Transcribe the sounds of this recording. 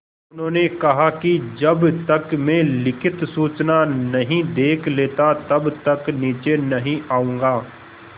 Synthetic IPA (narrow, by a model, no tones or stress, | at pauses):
ʊnɦõːnekɐɦakid͡ʒɐbt̪ɐkmɛ̃ːlɪkʰɪt̪suːt͡ʃnanɐɦĩd̪eːkʰleːt̪at̪ɐbt̪ɐkniːt͡ʃenɐɦĩaːũːŋɡaː